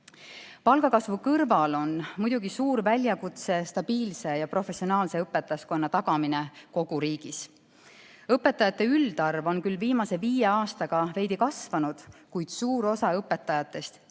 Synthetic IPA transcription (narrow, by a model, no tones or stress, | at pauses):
pɑlɡ̥ɑkɑsvukɤrvɑlo̞nmud̪̥uɡisuːɾvælʲjɑkut̪se̞st̪ɑb̥iːlse̞jɑpɾo̞fe̞sionɑːlse̞ɤpːe̞t̪ːˑɑsko̞nːɑt̪ɑɡɑmineko̞ɡ̥uɾiːɡ̥is | ɤpːˑe̞t̪ːˑɑjɑt̪ːˑe̞yld̪ɑrvo̞nkylːviːmɑse̞viːjeɑːst̪ɑɡ̥ɑve̞jd̪ikɑsvɑnud̪̥kujd̪̥suːɾo̞sɑɤpːˑe̞t̪ːˑɑjɑt̪ːˑe̞st̪